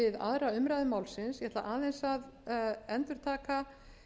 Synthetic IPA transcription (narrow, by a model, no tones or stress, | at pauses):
ɪða̰ðɾaʏmɾajðʏmaːwlsɪnsjɛhɛt̪la̰ʔaːðɛnsaðɛnt̪ʏɾ̥t̪ʰaːka